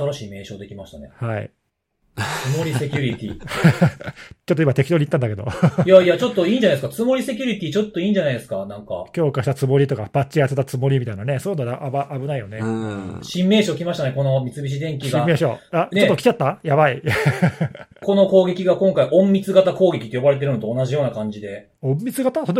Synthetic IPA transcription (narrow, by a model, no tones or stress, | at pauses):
saɾaɕiːme̞ːɕo̞̰ːd̪e̞kʲimaɕi̥t̪a̰ne̞̰haḭ | sɨmo̞ɾʲise̞kʲuɾʲit̪ʲḭ | t͡ɕot̪ːoimat̪ekʲid̪o̞ɲ̟it̪ːãnd̪ake̞d̪o̰ijaiat͡ɕo̞t̪ːo̞ĩːɲd͡ʑanaeɨ̥kat͡sɨmo̞ɾʲise̞kʲuɾʲit̪ʲiːt͡ɕo̞t̪ːo̞ĩːɲd͡ʑanaijd̪e̞sɨ̥kanãŋka̰kʲo̞ːkaɕi̥t̪at͡sɨmo̞ɾʲit̪o̞kapat͡ɕiaset̪ːat͡sɨmo̞ɾʲimʲit̪ainane̞soːnod̪ʔabaʔabɯ̟naijo̞neɕĩmːe̞ːɕo̞ːkʲimaɕi̥t̪ane̞ko̞no̞mʲit͡sɨbʲiɕ̬id̪ẽ̞ŋkʲiɕɡaĩmːe̞ːɕoant͡ɕ̪eot̪ːokʲi̥t͡ɕat̪ːajaβai | ko̞no̞ko̞ːɡe̞kʲiɡakõŋkaiʔõ̞mːʲit͡sɨɡat̪ako̞ːɡe̞kʲit̪ːejobaɾe̞t̪̬e̞ɾɯ̟not̪oːnaʑijo̞ːnakãɲ̟d͡ʑid̪e̞ | õmːʲit͡sɨɡat̪aso